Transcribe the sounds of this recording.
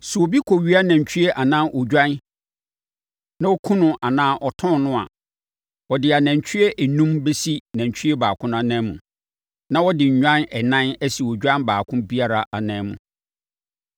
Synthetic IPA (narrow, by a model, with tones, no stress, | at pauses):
su˨wo˨bi˦kʰo˨ɥi˦a˦næ̃˨ɲ˨t͡ɕʰᶣy˦e˦ʔa˨nã˦nʔo˨d͡ʑᶣã˦n | nã˦wo˦kʰũ˦nʊ̃˦˨ʔa˨nãː˦ʔɔ˨tʰɔ̃˦nnʊ̃˦a̰˨ | ɔ˨dɪ˨a˨næ̃˨ɲ˨t͡ɕʰᶣi˦e˦ʔɛ˨nũ˦mbe˦si˦næ̃˨t͡ɕᶣʰy˦e˦baː˨kʰʊ̃˦nã˦˨nã˦mũ˨ | nã˦wɔ˦dɪ˨ɲ̩˨ɲᶣã˦nɛ˨nã˦nɛ˦si˨o˨d͡ʑᶣã˦nbaː˨kʰʊ̃˦bi˦a˨ɾa˨ʔa˨nãː˦˨˦mṵ̃˨